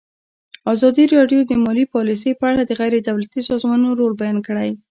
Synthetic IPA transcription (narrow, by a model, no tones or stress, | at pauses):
ɑzɑd̪iɾɑɖjod̪əmɑlipɑlis̬əjpəaɽad̪əɣajɾed̪awlat̪isɑzmɑnoɾolbajɑnkəɽaj